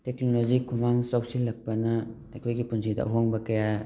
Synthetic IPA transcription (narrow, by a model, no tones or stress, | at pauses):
teknolozikʰumaŋsawsilɐk̚pɐnɐː | jkʰojɡipunsidɐ̰ʔɦoŋbɐkɐja